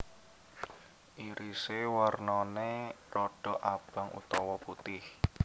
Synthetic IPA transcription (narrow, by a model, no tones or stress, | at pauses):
ʔiɾisewarnɔnerɔɖ̥ɔ̤ʔab̥a̤ŋʔṵt̪ɔwɔput̪ɪh